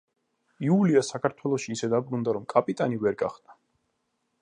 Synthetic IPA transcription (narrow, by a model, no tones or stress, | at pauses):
iuliasakʰaɾt̪ʰwɛlˠɔʃiːsɛd̪abɾund̪aɾɔmkʼapʼit̪ʼanivɛɾɡa̰χd̪a